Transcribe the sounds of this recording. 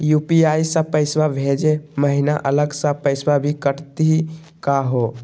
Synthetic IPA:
jupiaisə̃pəɪswabʱed͡ʒeməɦinaʔələɡsãpəɪswabʱikəʈt̪ii | kaɦo

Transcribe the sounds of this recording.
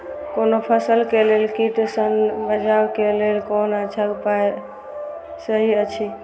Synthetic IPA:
konopʰəsəlkelelkiʈsənbəd͡ʒʱawkelelkonət͡ʃʰakpae | səɦiət͡ʃʰi

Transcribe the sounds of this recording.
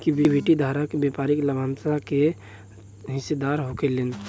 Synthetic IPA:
kibibʱiʈid̪ʱaɾakebepaɾikləbant̪ake | ɦɪsed̪aɾɦokelen

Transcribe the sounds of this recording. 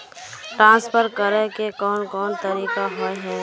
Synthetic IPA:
ʈɾãːnspʰəɾkəɾekekɔːnkɔːnt̪əɾiːkaɦɔɦɛː

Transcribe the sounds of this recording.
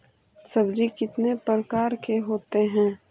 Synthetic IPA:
sɐbd͡ʒikɪt̪nepɾəkaːɾkeɦoːt̪eɦɛ̃ː

